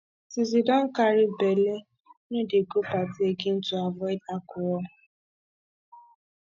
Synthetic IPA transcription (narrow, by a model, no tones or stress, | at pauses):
sɪzidɔŋ̩kaɾɪbele | nodeɡopatɪeɡɪn̩tuavɔɪdakʊɔ